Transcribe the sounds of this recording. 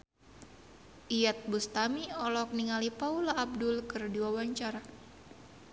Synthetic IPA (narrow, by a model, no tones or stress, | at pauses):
ʔijat̪̚bust̪amiɔlɔk̚niŋalipaulaːb̚dʊlkɨrdiwawaɲt͡ʃaɾa